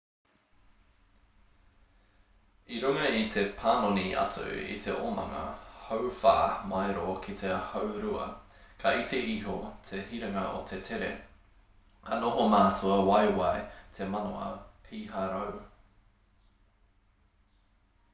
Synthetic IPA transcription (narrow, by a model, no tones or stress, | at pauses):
iɾuŋɐit̪ʰe̞pʰaːnoniʔɐ̰tʰṵḭt̪ʰḛʔomɐ̰ŋɐ̰howfa̰ːmajɾokʰit̪ʰehɐwɾuɐ̰ | kʰɐʔit̪ʰeʔiɦot̪ʰehiɾɐŋɐʔo̰t̪ʰet̪ʰeɾḛ | kʰɐnoɦomaːtʰuɐwɐjwɐjt̪ʰe̞mɐno̰ɐ̰pʰiːɦɐɾow